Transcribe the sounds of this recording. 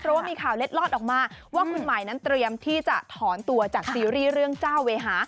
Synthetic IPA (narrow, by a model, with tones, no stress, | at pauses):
pʰɾɔ˦˥waː˥˩miː˧kʰaː˨˩wle˦˥t̪̚lɔː˥˩t̪̚ʔɔː˨˩k̚maː˧waː˥˧˩kʰu˧nma˨˩jna˦˥nt̪ɾi˧əmt̪ʰiː˥˩t͡ɕa˨˩t̪ʰɔː˩˦nt̪u˧ɐt͡ɕaː˨˩k̚siː˧ɾiː˥˩ɾɯ˥˩əŋt͡ɕaː˥˩wːeː˧ɦaː˩˦